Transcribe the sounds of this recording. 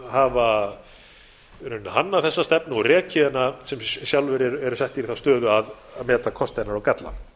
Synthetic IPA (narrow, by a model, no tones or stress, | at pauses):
hava | ɾʏnːaɦanːaθɛsːast̪ɛpnʏɔrɛːcʰɪðɪnasɛmsjawlvɛɾɪɾɛɾʏsɛht̪iɾiθawst̪œːðʏað | aðmɛːt̪akʰɔst̪ɛnaɾawkat̪la̰n